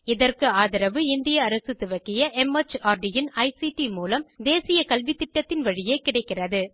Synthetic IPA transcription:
ɪðɐrkɯaːðɪɾɐʋɯɪnd̪ɪjɐːɾɐsɯt̪ɯʋɐkːɪjɐʔɛmɐt͡ʃaːɾɖɪjɪnɐɪsiʈimuːlɐmd̪eːsɪjɐkɐlʋɪt̪ːɪʈːɐt̪ːɪnʋɐɻɪjeːkɪɽɐɪkːɪrɐðɯ

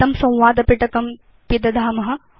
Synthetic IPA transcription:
t̪ɐmsɐ̃w̃ʋaːd̪ɐpiʈɐkɐm | pid̪ɐd̪ʱaːmɐɦɐ

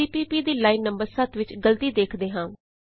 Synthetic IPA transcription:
iːpiːpiːd̪iːlaːiːnːəmbəɾsət̪ʋɪt͡ʃɡəlt̪iːd̪eːkʰd̪eːɦãː

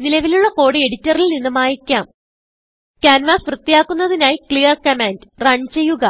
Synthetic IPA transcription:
nilɐʋiluɭːɐko̞ːɽie̞ɽitːɐrilninːumaːjikʲːaːm | kʲaːnʋaːsʋrɨt̪ːijaːkːunːɐðinaːjikɭijɐrkɐmeːndrɐɲt͡ɕejuɣɐ

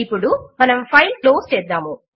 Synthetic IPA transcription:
ipːuɽumɐnɐmpʰɐjlkloːst͡ʃɛːd̪ːaːmu

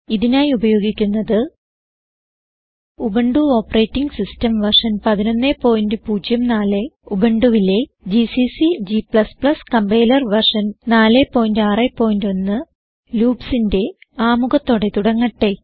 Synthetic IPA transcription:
iðinaːjiubɐjo̞ːɡikʲːunːɐðɨ | ubeɳɖuo̞ːpːɐreːtːiŋɡsistɐmʋɐrʂɐnpɐðinonːepːo̞ːjindɨpuːd͡ʑjɐmnaːleubeɳɖuʋile̞ | d͡ʑisisid͡ʑipɭɐsplɐskɐmbejlɐrʋɐrʂɐnnaːle̞pːo̞ːjindaːrepːo̞ːjindonːɨ | luːpsinde̞aːmuɣɐt̪ːo̞ːɽe̞t̪uɽɐŋːɐʈːe̞

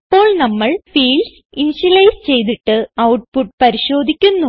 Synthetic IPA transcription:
ipːo̞ːɭnɐmːɐɭfiːls | iniɕɐlɐjst͡ɕe̞jt̪̬iʈːɨɐwʈ̚puʈ̚pɐɾiɕo̞ːd̪ʱikʲːunːu

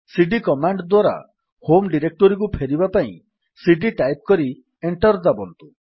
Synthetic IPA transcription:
siɖikɔmaɳɖd̪waɾa̰ | homɖiɾek̚ʈɔɾik̬upʰeɾibapaḭ̃ | siɖiʈajp̚kɔɾi | eɳʈɔɾd̪abɔnt̪u

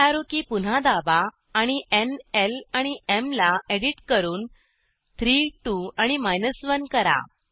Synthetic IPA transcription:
aɾukipun̤ad̪abaː | ɽ̃iʔenelaɽ̃iemlaeɽiʈkəɾuːn | t̪ʰɾiʈuaɽ̃imajnəsʋənkəɾa̰

